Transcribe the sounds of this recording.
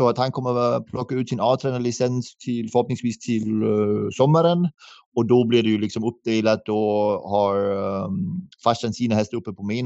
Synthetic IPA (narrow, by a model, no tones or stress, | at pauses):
sɔat̪hankʰɔmːəpʰlʔɔkːaʉ̟ːt̪sɪnɑːvt̪ʰɾɛːnalɪsɛnst̪ʰɪlfœɾhɔp̚nɪŋsviːst̪ʰɪlsɔmːəɾən | ɔd̪ɔblɪɖɛjɵlɪksɔmɵp̚ːd̪eːlat̪ɔhaɾ | faʂansiːnahɛst̪əɾɵpːəpʰɔmeːn